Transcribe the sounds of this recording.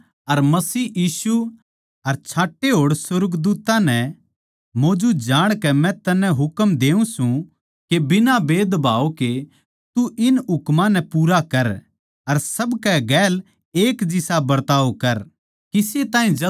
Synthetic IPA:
ɐɾmɐsiːjiːsu | ɐɾt͡ʃʰaːʈːeɦoːɽsʊɾɡd̪uːt̪ãnɛ | moːd͡ʒud͡ʒaːɽ̃kɛmɛ̃t̪ɐnɛ̃ɦʊkmd̪eːũsũ | kebɪnabeːd̪bʱaːoke | t̪uʔɪnɦʊkmãnɛpuːɾakɐɾ | ɐɾsɐbkɛɡɛːl | eːkd͡ʒɪsabɐɾt̪aːokɐɾ | kɪset̪ãːɦĩɐ

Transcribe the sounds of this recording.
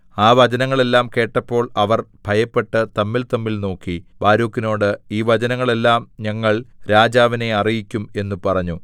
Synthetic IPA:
aːʋɐd͡ʑɐnɐŋːɐɭe̞lːaːmke̞ːʈːɐpːo̞ːɭɐʋɐrb̥ʱɐjɐpːe̞ʈːɨt̪ɐmːilt̪ɐmːilno̞ːkːibaːɾuːkːino̞ːɽɨiːʋɐd͡ʑɐnɐŋːɐɭe̞lːaːmɲɐŋːɐɭɾaːd͡ʑaːʋine̞ɐrijikʲːume̞nːupɐrɐɲːu

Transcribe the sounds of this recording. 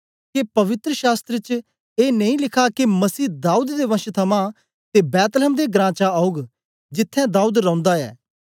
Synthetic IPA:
kepɐʋɪt̪ɾəʃaːst̪ɾət͡ʃ | eːnəĩːlɪkʰaːkemɐsiːd̪aːuːd̪d̪eːʋɐ̃ʃət̪ʰəmãː | t̪eːbɛːt̪lɛːmd̪eːɡɾãːt͡ʃaaːʊɡ | d͡ʒɪt̪ʰːɛ̃ːd̪aːuːd̪ɾɐɔ̃ʊ̃nd̪aːɛ̰ː

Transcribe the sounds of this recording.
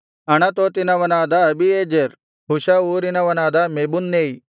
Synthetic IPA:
ɐñat̪ot̪inaʋɐnaːd̪aɐbieːd͡ʒeɾ | ɦuʃauːɾinaʋɐnaːd̪ameːbunːeːi

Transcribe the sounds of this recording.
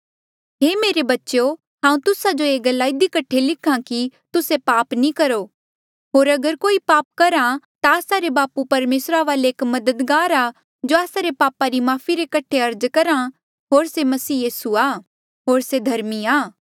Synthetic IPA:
ɦeːmeːɾebɐːʃo | ɦãːũt̪ʊsad͡ʒoeːɡɐlːaːid̪ikɐʈʰelɪkʰãkit̪ʊsepaːpnĩkɐɾo | ɦoːɾɐɡəɾkoːipaːp̚kɐɾãt̪aːsaɾebaːpupɐɾmeːsɾaʋaːleeːkmɐd̪əd̪ɡaːɾaː | d͡ʒoaːsaɾepaːpaɾimaːfʰiɾekɐʈʰeɐɾd͡ʒkɐɾã | ɦoːɾsemɐsiːjiːsuaː | ɦoːɾsed̪ʱɐɾmiaː

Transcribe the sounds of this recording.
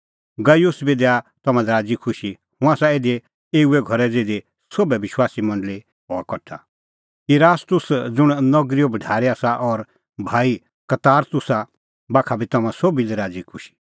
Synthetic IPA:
ɡɐjʊsbid̪ɛat̪ɔmãdɛɾaːd͡zikʰʊʃi | hʊ̃aːsaeːd̪e | eːuɛɡʱɔɾɛd͡zeːd̪e | sobɛʋɪʃwaːsimɐ̃ɳɖli | ɦɔːkɔʈʰːa | iɾaːst̪ʊsd͡zʊɽ̃nɔɡɾiobɐɖʱaːɾiasaʔɔɾ | bʱaːi | kɐt̪aːɾt̪ʊsa | baːkʰabʱit̪ɔmãsoːbilɛɾaːd͡zikʰʊʃi̥

